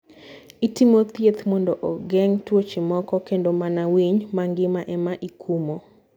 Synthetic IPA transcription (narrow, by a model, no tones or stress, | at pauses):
itimot̪jet̪mɔndoʔɔɡɛŋtwot͡ʃimɔkɔkendomanawiɲmaŋɡɪmaʔɛmaʔikʰumo